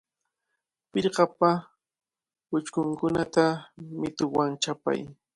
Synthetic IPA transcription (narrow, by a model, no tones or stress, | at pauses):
pɪɾɢɑpa | pʊt͡ʃkʊŋkʊnat̪amɪt̪ʊwaŋt͡ʃapa̰j